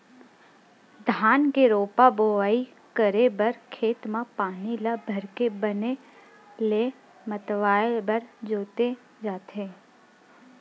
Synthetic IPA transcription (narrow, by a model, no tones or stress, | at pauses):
d̪ʱaːnkeɾoːpaboːaːi | kəɾebəɾkʰeːt̪mãpaːnilabʱɐɾkebəne | le | mət̪ʋaːbəɾd͡ʒoːt̪e | d͡ʒaːt̪ẽː